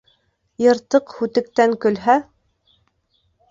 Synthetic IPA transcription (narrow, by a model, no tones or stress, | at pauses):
jɤ̆ɾt̪ɤqhʉt̪ɘ̆k̚t̪æŋkɵ̆lɦæ